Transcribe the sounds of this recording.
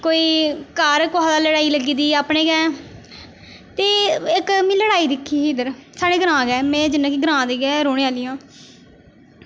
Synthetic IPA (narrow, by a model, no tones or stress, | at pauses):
koːiːkaːɾkʊʋaːd̪aːləɽaːiːləɡiːd̪iːaːpɳeːɡɛ̃ː | t̪eːɪkmĩːləɽaːiːd̪ɪkʰːiːiːd̪əɾsaːɽeːɡəɾãːɡɛːmɛ̃ːd͡ʒɪnːãːkiːɡəɾãːd̪eːɡɛːɾoːɽeːaːlɪjãː